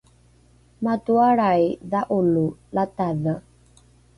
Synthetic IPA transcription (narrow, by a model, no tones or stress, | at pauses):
matuaɾajðaʔululataðə